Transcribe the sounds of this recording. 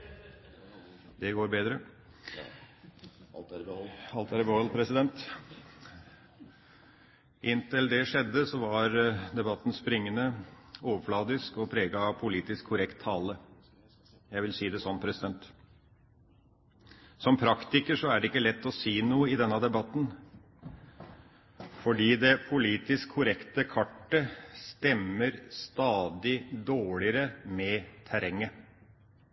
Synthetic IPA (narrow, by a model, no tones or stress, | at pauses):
d̪ɛɡoːɾbeːd̪ɾə | ɑlt̪æɾbəɔlpʰɾɛsɪd̪ɛnt̪ | ʔɪnt̪ɪld̪ɛʂɛd̪ːəsɔʋɑɾd̪ɛbɑt̪ːn̩spɾɪŋːənəoːʋəflɑːd̪ɪskɔpʰɾeːɡɑpʰʊliːt̪ɪskʰːʊɾɛkt̪ʰːɑːlə | jæɪʋɪlsiːd̪ɛsɔnːpʰɾɛsɪd̪ɛnt̪ | sɔmpʰɾɑkt̪ɪkəʂɔæɖɛɪkːəlɛt̪ːɔsiːnuːəɪd̪ɛnːɑd̪ɛbɑt̪ːn̩ | fɔɖiːd̪ɛpʰʊliːt̪ɪskʰːʊɾɛkt̪əkʰɑʈːəst̪ɛmːəɾst̪ɑːd̪ɪd̪oːɭɪəɾəmɛt̪ʰæɾɛŋːə